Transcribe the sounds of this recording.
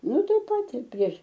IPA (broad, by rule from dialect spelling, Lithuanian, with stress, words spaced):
ˈnʊ ˈtɐɪ ˈpɐt ɪr pʲrʲiɛʃ